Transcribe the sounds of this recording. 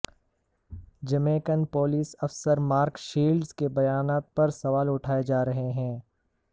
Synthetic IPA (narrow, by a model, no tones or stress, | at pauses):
d͡ʒɐmẽːkənpoːliːsɐfsəɾmaːɾkʃiːlɖzkebɐjaːnaːt̪̚pɐɾsɐʋaːlʊʈʰaːed͡ʒaːɾɐɦeɦɛ̃ː